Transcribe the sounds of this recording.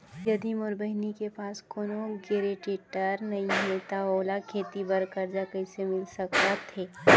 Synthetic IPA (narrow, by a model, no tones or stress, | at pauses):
jɐd̪imoɾbəɦnikepaːskoːnoɡeːɾeʈɪʈəɾnɐĩɦɛt̪aoːlakʰeːt̪ibɐɾkəɾd͡ʒakəɪsemɪlsɐkt̪at̪ʰeː